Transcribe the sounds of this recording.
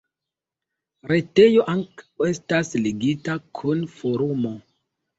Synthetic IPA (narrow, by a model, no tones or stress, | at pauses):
ɾe̞te̞jo̞ʔaŋkawe̞stasliɡitakʰunfoɾumo̞